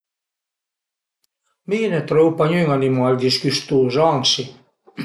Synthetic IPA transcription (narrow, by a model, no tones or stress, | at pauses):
miːnet̪ɾowpaɲyŋanimald̪iskyst̪uːzɑŋsi